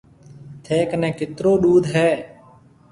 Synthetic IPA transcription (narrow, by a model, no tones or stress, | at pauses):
t̪ʰeːknɛ̃ːkɪt̪ɾoːɗuːd̪ʱɦɛː